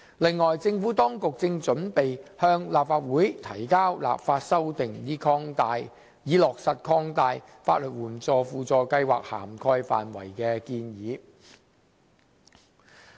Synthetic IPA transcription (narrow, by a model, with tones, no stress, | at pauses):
lɪ˨ŋːɔː˨˩jt͡sɪ˧ŋfuː˨˥t̪ɔː˥ŋkʊ˨k̚t͡sɪ˧ŋt͡ʃɵ˨˥npe˨jhœː˧ŋlaː˨˩p̚faː˧t̚wuː˨˥jt̪ʰɐ˨˩jkaː˥wla̰ː˨p̚faː˧t̚sɐ˥wt̪ɪ˨ŋjiː˥kʰɔː˥ŋt̪aː˧j | jiː˨˥lɔː˨k̚sɐ˨t̚kʰɔː˥ŋt̪aː˧j | fa̰ː˧t̚lɵ˨t̚wuː˨˩nt͡sɔː˧fuː˧t͡sɔː˧kɐ˧jwa̰ː˨k̚ha̰ː˨˩mkʰɔː˧jfa̰ː˨nwɐ̰˨˩jkɛː˧kiː˧njiː˨˧˦